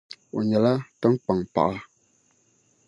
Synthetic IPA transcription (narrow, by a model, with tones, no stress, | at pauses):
o˨ɲɛ˨la˦tə˦ŋ̩˦k͡pa˨ŋpa̰˨ʔa˦